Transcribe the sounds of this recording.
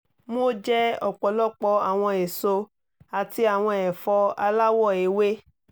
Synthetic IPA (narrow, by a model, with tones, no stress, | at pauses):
mo˦d͡ʒɛ˦ɔ˨k͡pɔ˨lɔ˦k͡pɔ˧˦a˨w̃ɔ̃˧e˨so˧ | a˨ti˧a˨w̃ɔ̃˧ɛ˨fɔ˧a̰˧la˦wɔ˦˨e˨˦we˦